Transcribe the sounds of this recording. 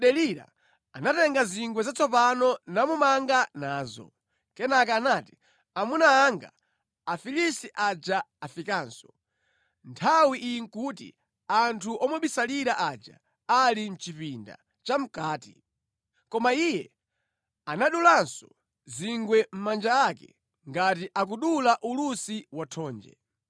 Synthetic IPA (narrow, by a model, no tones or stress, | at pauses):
ɗɛliɾa̰ | anatɛŋɡaziŋɡwɛzat͡sɔpanɔnamumaŋɡanaːzɔ̰ | kɛnakaːnaːti̥ | amunaːŋɡa̰ː | filisiʔad͡ʒaafikaːnsɔ̥ | ntʰawiʔijiŋ̩kuːtḭ | antʰuʔɔmɔɓisaliɾaʔad͡ʒa̰ | alin̩t͡ʃipinda̰ | t͡ʃam̩kaːtḭ | kɔmaiːjɛ | anaɗulansɔ | ziŋɡwɛm̩mand͡ʒaakɛ̰ | ŋɡatiʔak̬uɗulaʔulusiwatʰɔːnd͡ʒɛ̰